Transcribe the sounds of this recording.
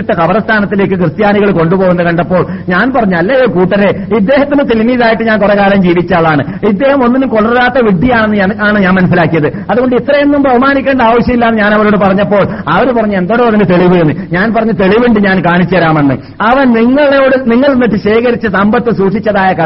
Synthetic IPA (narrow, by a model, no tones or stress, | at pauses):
ʈːɨkɐʋɐɾɐst̪ʰaːnɐt̪ːile̞ːkːɨkrɨt̪jaːniɣɐɭko̞ɳɖupo̞ːɣunːɐkɐɳɖɐpːo̞ːɭɲaːnpɐrɐɲːɐlːɐjoːkuːʈːɐɾeid̪ːe̞ːɦɐt̪ːinɨt̪elimiːðaːjiʈːɨɲaːnkorekaːlɐmd͡ʑiːʋit͡ɕːaːɭːaːɳɨ | id̪ːe̞ːhɐmo̞nːinumkoɭɐrlaːt̪ːɐʋiɖːijaːɳenːɨaːɳɨɲaːnmɐnɐs̬ilaːkːijɐðɨ | ɐðuɣo̞ɳɖɨit̪rɐjenːumbʱɐʋɐmaːnikʲːe̞ːɳɖɐaːʋɐɕjɐmilːaːnːɨɲaːnɐʋɐɾo̞ːɽɨpɐrɐɲːɐpːo̞ːɭ | ɐʋɐɾupɐrɐɲːue̞nd̪o̞ːɽɐðinɨt̪e̞ɭiʋɨenːɨɲaːnpɐrɐɲːɐt̪e̞ɭiʋeɳɖɨɲaːnkaːɳit͡ɕːuɐɾaːmenːɨ̰ | ɐʋɐnniŋːɐɭejoːɽɨniŋːɐɭunːiʈːɨɕeːkɐɾit͡ɕːɐsɐmbɐt̪ːɨsuːʂit͡ɕːɐðaːjɐkɐ